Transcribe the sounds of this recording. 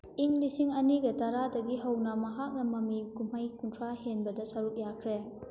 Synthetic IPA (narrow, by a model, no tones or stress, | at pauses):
iŋlisiŋɐniɡɐtɐɾadɐɡiɦɐwnɐmɐɦak̚nɐmɐmikumhajkuntʰɾahenbɐdɐsɐɾuk̚jakʰɾe